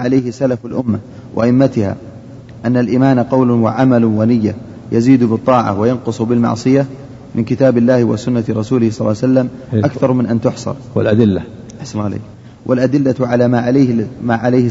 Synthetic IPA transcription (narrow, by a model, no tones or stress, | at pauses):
ʕalajhɪsalafalʔʊmːa | wʔɪ̰ʔaʔɪmːat̪ɪha̰ː | ʔanːalʔiːmaːnaqɑwlʊwaʕamalwanɪjːa | jaziːd̪bɨt̪ˤːɑːʕa̰wajɑnqʊsˤbɪlmɑ̰ʕsˤɨja | mɪnkɪt̪aːbɪlːaːhɪwa̰sʊnːat̪ɾˤɑsuːlɪhsˤɑlːɑsalːam | ʔakθɑɾˤmɪnʔant̪ʊħsˤɑ̰ɾˤwlʔad̪ɪlːa | ʔaħsanlːlḛːk | wʔɪlʔad̪ɪlːaʕalamaʕalahmaːʕalajhɪ